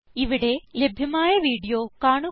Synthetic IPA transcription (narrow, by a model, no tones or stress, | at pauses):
iʋiɽe̞le̞bʱjɐmaːjɐʋiːɽijoːkaːɳu